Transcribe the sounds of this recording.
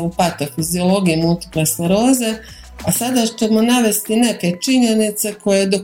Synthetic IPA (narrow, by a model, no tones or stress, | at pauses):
upat̪ofizio̞lo̞ɡijimult̪i̥plasneɾo̞ːze̞ | asad̪at͡ɕe̞mo̞naʋe̞st̪ine̞ke̞t͡ʃiɲe̞nit̪se̞kʰo̞jed̪o̞